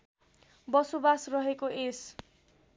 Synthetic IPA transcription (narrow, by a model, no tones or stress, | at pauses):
bʌsobasrʌɦekoʔes